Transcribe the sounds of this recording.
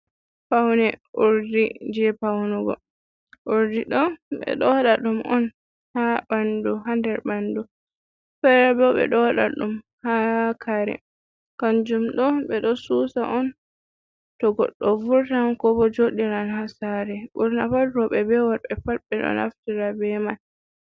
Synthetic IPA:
pawnɛʔuɾdid͡ʒɛpawnuɡɔ̰ | ʔuɾdiɗɔɓɛ̰ɗɔɗaɗumʔɔn | habanduɦandɛɾbandu | fɛɾabɔɓɛ̰ɗɔwaɗa̰ɗum | hakʰaɾɛ̰ | kand͡ʒumɗɔɓɛɗɔsusaʔɔn | tɔɡɔ̰ɗːɔvuɾtankɔbɔd͡ʒoɗiɾanhasaɾɛɡuɾnafalɾɔɓɛbɛwaɾɓɛfalɓɛɗɔ̰na̰ftiɾabɛman

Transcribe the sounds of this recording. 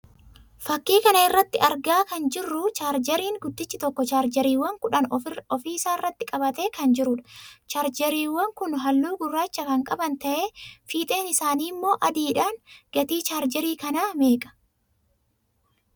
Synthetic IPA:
fɐkːiːkɐnɐɪrːɐt̪ːɪɐɾɡaːkɐnd͡ʒɪrːʊt͡ʃaːɾd͡ʒɛɾiːŋɡʊd̪ːɪt͡ʃːɪt̪ɔkːɔt͡ʃaːɾd͡ʒɛɾiːwːɐŋkʊᶑɐnɔfiːsaːrːɐt̪ːɪkʼɐbɐt̪e̞ːkɐnd͡ʒɪɾʊᶑɐ̥t͡ʃaːɾd͡ʒɛɾiːwːɐŋkʊnɦɐlːuːɡʊrːaːt͡ʃːɐkɐŋkʼɐbɐnt̪ɐʔe̞ːfiːt̪ʼe̞ːnɪsaːniːmːo̞ːʔɐd̪iːᶑaːnɡ̥ɐt̪iːt͡ʃaːɾd͡ʒɛɾiːkɐnaːme̞ːkʼɐ̥

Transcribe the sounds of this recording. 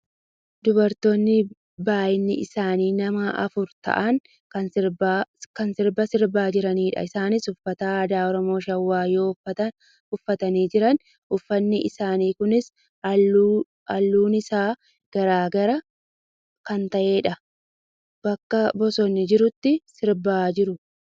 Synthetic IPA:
d̪ʊbɐɾt̪oːnːɪ | baːjɪnːɪʔɪsaːniːnɐmɐʔɐ̰fʊɾt̪ɐ̰ʔɐŋ | bkɐnsɪɾbɐsɪɾbaːd͡ʒɪɾɐniːᶑɐ̰ɪsaːnɪsʊfːɐt̪aːd̪aːɔɾɔmo̞ːʃɐwːaːjo̞ːɐɐ | ʊfːɐt̪ɐniːd͡ʒɪɾɐn | ʊfːɐnːɪʔɪsaːniːkʊnɪs | ʔɐlːuːnɪsaː | ɡ̥ɐɾaːɡɐɾɐ | kɐnt̪ɐʔe̞ːᶑɐ | b̥ɐkːɐbɔsɔnːɪd͡ʒɪɾʊt̪ːɪsɪɾbaːd͡ʒɪɾʊ

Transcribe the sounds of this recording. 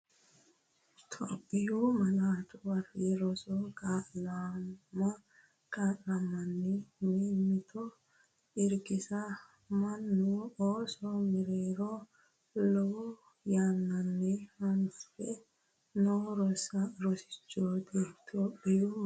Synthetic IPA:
t̪ʰo̰ːpʼːɪjumɐnaːt̪ʊwɐriɾɔsɔkʼaːnamɐ | kʼaːʔnamɐnːɛmeːmːɪt̪ʰɔ | ɪɾɡɪsɐ | mɐnːʊoːsɔmɪɾeːɾo | lɔwɔ | jaːnːɐnːɛɐnfɛ | noːɾɔsɐɾɔsɪ̥t͡ʃːoːd̪et̪ʰoːpʼːɪju

